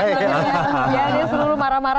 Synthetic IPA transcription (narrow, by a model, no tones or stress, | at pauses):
jadesuluɾumaɾamaɾa